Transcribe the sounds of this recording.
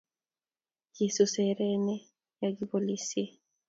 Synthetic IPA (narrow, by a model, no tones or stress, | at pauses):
kisusɛɾɛnɛ | jaɡipolisie